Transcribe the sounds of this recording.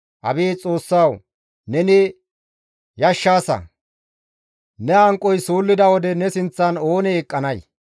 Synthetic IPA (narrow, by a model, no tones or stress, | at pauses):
ʔɐbiːt͡sʼo̞ːsːaw | nɛnɪ | jɐʃːaːsɐ̰ | nɛɐŋkʼːɔjsuːlːɪd̪ɐwɔd̪ɛnɛsɪnt͡sːɐno̞ːnɛːkʼːɐnɐj